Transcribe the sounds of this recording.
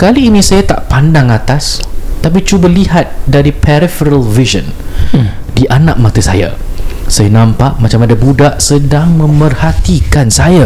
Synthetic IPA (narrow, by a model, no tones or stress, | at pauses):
kaliːnĩsajat̪a̰ʔpandaŋat̪ast̪ap̬it͡ʃubəliɦat̪̚daɾipʰɛɾifəɾəlviʒə̰n | diʔanãʔ̚mãt̪əsa̰ja̰sajanãmpaʔmãt͡ʃamadabudaʔsədaŋmə̃mpərhat̪ikansaja